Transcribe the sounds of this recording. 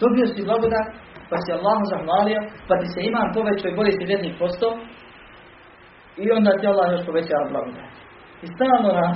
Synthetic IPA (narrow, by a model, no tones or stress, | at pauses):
d̪o̞bio̞siblˠaɡod̪at̪pasialːaːɦozahʋaːliopat̪isɛimaːmpo̞ʋet͡ɕoibo̞liːsiʋjed̪niːkpo̞st̪oː | io̞nd̪aːt̪ialˠːaːhjoʃpo̞ʋe̞t͡ɕaːʋablˠa̰ɡod̪a̰t̪ | ist̪aːlˠnona